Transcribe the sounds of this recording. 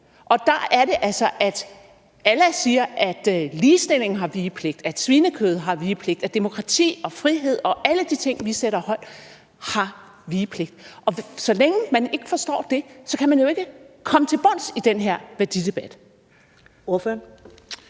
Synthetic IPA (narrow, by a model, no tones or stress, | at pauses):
ʔɒ̽d̥ɑ̈æɐɾe̝ʔælsɒ̽ʔæd̥ | ælæsiːɐʔæd̥liːsd̥e̝l̰e̝ŋn̩ɦɑ̈ʋiːpʰle̝ɡ̥̚d̥æd̥sʋiːnəkʰøːð̞̩ˠɦɑ̈ʋiːpʰle̝ɡ̥d̥æd̥e̝mo̝kʰʁɑ̈t͡sʰḭːɒ̽fʁiɦe̝ð̞̰ˠɒ̽ʔæləd̥it͡sʰe̝ŋ̰ʋiseɾɐhɒ̽l̰d̥ | hɑ̈ | ʋiːpʰle̝ɡ̥̚d̥ʔɒ̽sɒ̽leŋəmæne̝ɡ̥əfɒ̽sd̥ɒ̰ːd̥e̝sɒ̽kʰæmænjo̝e̝ɡ̥əkʰɒ̽mət͡sʰe̝lb̥ɒ̽n̰sid̥enɦeɐ̰ʋæɐd̥id̥e̝b̥æd̥ | oføɐ